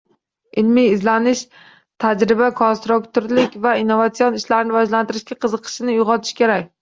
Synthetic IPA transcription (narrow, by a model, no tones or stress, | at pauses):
ɪlmiɪzlanɪʃ | t̪ʰad͡ʒɾɪbakʰonst̪ɾukt̪ʊɾlɪkʲvainːovat̪siɒnɪʃlaɾɪnɪvɒʒlant̪ɪɾɪʃɡʲaqʰɨzɨqʰɨ̥ʃɪnɪjʊqɒt̪ʰɪ̥ʃkʲe̞ɾakʲ